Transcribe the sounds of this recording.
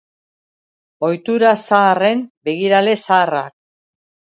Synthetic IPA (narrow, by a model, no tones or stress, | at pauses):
o̞jt̪uɾasaːre̞mbe̞ɣiɾale̞saːra̰k̚